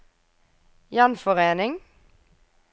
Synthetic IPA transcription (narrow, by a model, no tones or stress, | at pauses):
jɑnfɔʁeːnɪŋ